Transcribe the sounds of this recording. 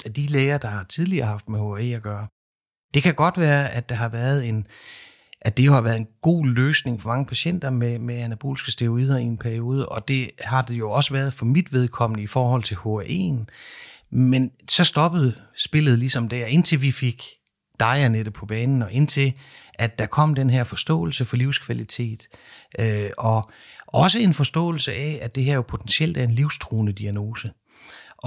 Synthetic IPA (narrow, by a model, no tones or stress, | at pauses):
æd̥ileːɪɐd̥ɑ̈hɑ̈t͡sʰið̞ˠliɐːhɑ̈fd̥meho̝æe̝̰ːæɡ̥ɶːɐ | d̥e̝kʰæɡ̥ɒ̽d̥ʋæːɐæd̥ɑ̈ɦɑ̈ʋæːɐð̞ˠe̝n | ʔæd̥e̝jo̝hɑ̈ʋæːɐðˠenɡ̥o̝̰ːløːsne̝ŋfɒ̽mɑ̈ŋəpʰæɕen̰d̥ɐmemeænæb̥o̝̰ːlisɡ̥əsd̥e̝oʁiːð̞ˠɐie̝npʰæɐio̝ːð̞ˠəʔɒ̽d̥e̝hɑ̈d̥e̝jo̝ɒ̽səʋæɐð̞ˠfɒ̽mid̥ʋe̝ð̞ˠkʰɒ̽m̰ənəifɒːhɒ̽l̰t͡sʰe̝lho̝æʔe̝̰ːn | mensɒ̽sd̥ɒ̽b̥əð̩ˠ | sb̥e̝l̰ð̞̩ˠlisɒ̽md̥æɐe̝n̰t͡sʰe̝lʋife̝ɡ̥ | d̥ɑ̈ɪɐned̥əpʰɒ̽b̥ɛːnn̩ɒ̽ʔe̝n̰t͡sʰe̝ʔædd̥ɑ̈kʰɒ̽m̰d̥enɦæɐfɒ̽sd̥ɔ̰̽ːl̩səfɒ̽liʊ̰skʰʋælit͡sʰe̝̰ːd̥øɒ̽ | ʔɒ̽səe̝nfɒ̽sd̥ɔ̰̽ːl̩səʔɛæd̥e̝ɦæɐ̰jo̝pʰo̝t͡sʰensiel̰d̥æɐe̝nliʊ̰sd̥ʰʁuːnəd̥iæno̝ːsə | ʔɒ